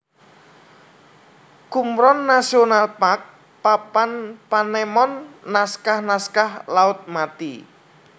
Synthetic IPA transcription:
kumɾɔnːasionalpak̚ | papanpanɛmɔnːaskahnaskahlaʊt̪̚mat̪i

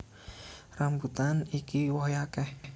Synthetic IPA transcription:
rambut̪anikiwɔjakɛh

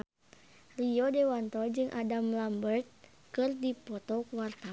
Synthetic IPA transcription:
rijɔdɛwant̪ɔd͡ʒɨŋʔadamlambərt̪̚ | kɨrdipɔt̪ɔkuwart̪a

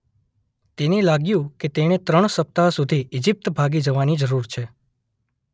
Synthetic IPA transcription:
t̪enelaɡjũket̪eɽ̃et̪ɾəɳ̃səp̚t̪asud̪ʱiʔɪd͡ʒip̚t̪bʱaɡid͡ʒəʋanid͡ʒəɾuɾt͡ʃʰe

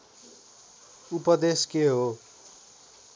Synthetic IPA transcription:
upʌd̪eskeɦo

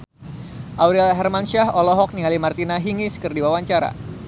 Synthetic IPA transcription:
ʔawɾialɦɛrmanʃaɦɔlɔɦɔk̚niŋalimart̪inaɦiŋiskɨrdiwawaɲt͡ʃaɾa̰

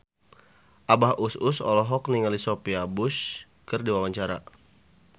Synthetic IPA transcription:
ʔabahʔusʊsɔ̰lɔɦɔkniŋalisopiabʊs | kɨrdiwawaɲt͡ʃaɾa̰

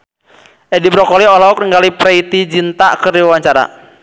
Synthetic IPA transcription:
ʔɛdibɾɔkɔliɔlɔɔk̚nəŋɡalipɾɛit̪id͡ʒint̪akəɾiwewaɲt͡ʃaɾa̰

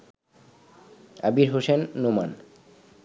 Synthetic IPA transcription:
a̰biɾɦosenːoman

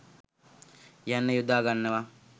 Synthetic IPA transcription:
janːəjud̪aːɡanːəʋa

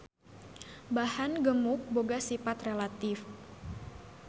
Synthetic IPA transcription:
bahanɡəmʊk̚boɡasifat̪relat̪ɪf

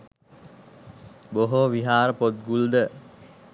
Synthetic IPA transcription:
boɦoʋiɦaːɾəpot̪̚ɡuld̪ə

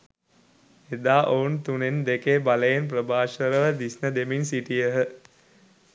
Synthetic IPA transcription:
ed̪aːʔount̪unend̪ekeːbaləjenprəbaːʃəɾəʋəd̪isnəd̪eminsiʈijəɦə

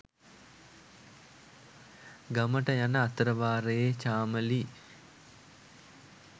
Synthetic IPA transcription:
ɡaməʈəjanəat̪əɾəʋaːɾejet͡ʃaːməli

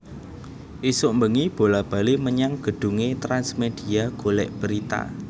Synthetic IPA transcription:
ʔisʊʔmbəŋib̥o̤lab̥a̤liməɲaŋɡ̥ə̤ɖ̥ṳŋet̪ɾansmed̪̥i̤aɡ̥olɛ̰ʔb̥əɾit̪a̰

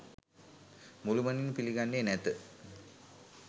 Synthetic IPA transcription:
muluməninpiliɡanːeːnɛt̪ə

